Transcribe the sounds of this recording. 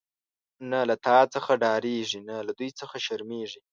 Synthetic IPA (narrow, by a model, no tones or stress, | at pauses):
nalat̪ʰɑt͡səxaɖɑɾeʐinalad̪ujt͡səxaʃaɾmeʐi